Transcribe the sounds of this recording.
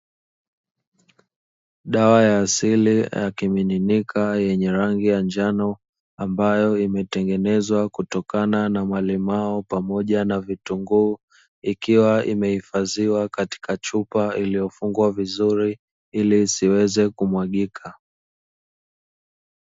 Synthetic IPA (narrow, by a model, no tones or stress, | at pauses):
ɗawajaːsilijakimininikʰajɛɲɛɾaŋɡijand͡ʒanɔ | ambajɔimɛtɛŋɡɛnɛzwakutɔkananamalimaɔpamɔʄanavituŋɡuː | ikiwaḭmɛhifaziwakati̥kat͡ʃupailijɔfuŋɡwavizuɾi | iliːsiwɛzɛkumwaɠikʰa